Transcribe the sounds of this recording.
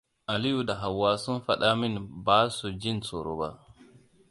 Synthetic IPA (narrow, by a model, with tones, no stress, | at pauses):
ʔa˨li˦ju˨da˨ɦa˨wːaː˦su˦nfa˦ɗa˦mɪ˦nbaː˦su˨d͡ʒɪ˦nsɔ˨ɾo̰˦ba̰˦